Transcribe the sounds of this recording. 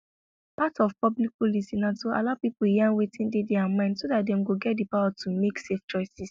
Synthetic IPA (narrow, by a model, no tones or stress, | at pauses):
patɔfpɔblik̚polisinatoa̰laʊpipujãŋwetĩndedɛamãɪ̃ndsodat̚dɛ̃mɡoɡɛt̚dipawatʰumekseft͡ʃɔɪsis